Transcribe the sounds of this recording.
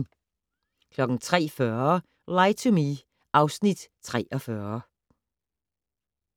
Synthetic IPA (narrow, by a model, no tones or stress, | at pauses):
kʰlɒ̽ɡ̥n̩t͡sʰʁɛ̰ːfœːɐɐ | lɑɪt͡sʰumi | ʔɑ̈ʊsnid̥t͡sʰʁɛ̰ːʔɒfɶɐ